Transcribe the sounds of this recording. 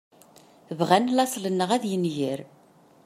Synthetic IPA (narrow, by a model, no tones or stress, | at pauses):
vʁænlɑsˤlənːəʁæðjənʝəɾ